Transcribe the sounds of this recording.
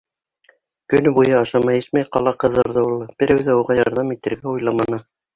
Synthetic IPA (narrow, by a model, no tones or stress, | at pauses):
kɵ̆nɘbujɤɑʃɑmɑjɘsmæjqɑ̰lˠɑqɤ̆ðɤ̆ɾðɤulˠbɘ̆ɾæwðæuʁɑjɑɾðɑmit̪ɘ̆ɾɡæujlˠɑmɑnɤ